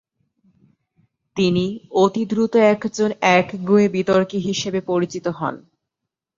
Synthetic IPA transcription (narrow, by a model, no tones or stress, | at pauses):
t̪iniot̪id̪ɾut̪oɛkd͡ʑonɛkɡuebit̪oɾkiɦiʃebepoɾit͡ɕit̪oɦɔ̰n